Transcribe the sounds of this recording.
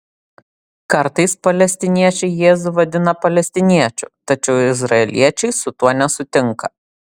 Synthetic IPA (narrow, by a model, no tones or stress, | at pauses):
kɐɾt̪ɐɪspɐlʲɛsʲt̪ʲɪnʲiɛt͡ʃʲɛɪjeːzʊʋɐd̪ʲɪnɐpɐlʲɛsʲt̪ʲɪnʲiɛt͡ʃʲʊt̪ɐt͡ʃʲɛʊɪzɾɐɛlʲiɛt͡ʃʲɛɪsʊt̪uɔnʲɛsʊt̪ʲɪŋkɐ